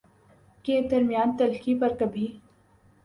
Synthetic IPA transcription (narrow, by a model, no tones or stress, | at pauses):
ked̪ɐɾmijaːnt̪ɐlkipɐɾkɐbʱi